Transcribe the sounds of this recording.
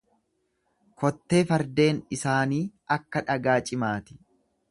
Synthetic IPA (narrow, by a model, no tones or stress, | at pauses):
kɔt̪ːe̞ːfɐɾd̪e̞ːnɪsaːniːʔɐkːɐᶑɐɡaːt͡ʃʼɪmaːt̪ɪ̥